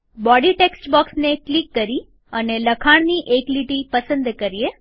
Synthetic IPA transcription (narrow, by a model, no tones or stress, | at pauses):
bɔɽiʈeksʈbɔksneklikːəɾi | əneləkʰaɽ̃niʔekliʈipəsə̃nd̪kəɾije